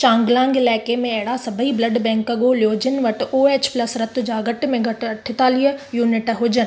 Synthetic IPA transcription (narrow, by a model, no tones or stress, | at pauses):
t͡ʃãːŋɡlãːŋɡɪlɛːkemẽeɦɪɽasɐbʱəiblɐɖbɛ̃ːŋkəɡolijoːd͡ʒɪnʋɐʈoːeːt͡ʃplɐsɾɐt̪ʊd͡ʑaːɡɐʈmẽɡʱɐʈɐʈʰːɪt̪aːlɪjuːnɪʈɦʊd͡ʒən